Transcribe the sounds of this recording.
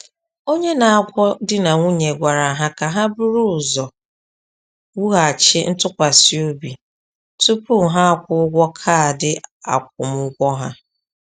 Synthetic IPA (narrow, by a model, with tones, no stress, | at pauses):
o˦ɲe˦na˨a˨kʷɔ˦dɪ˦na˨ŋʷu˦ɲe˨ɡʷa˨ɾa˨ɦa˦ka˨ɦa˦bʊ˦ɾʊ˦ʊ˨zɔ˨ | wu˦ɣa˨t͡ʃɪ˦n̩˦tʊ˦kʷa˨si˨˦o˦bi˨ | tu˦pu˦˨ɦa˦a˦˨kʷʊ˦ʊ˦ɡʷɔ˦kʰa˦a˨dɪ˦a̰˨kʷʊ˨m̩˦ʊ˦ɡʷɔ˦ɦa˦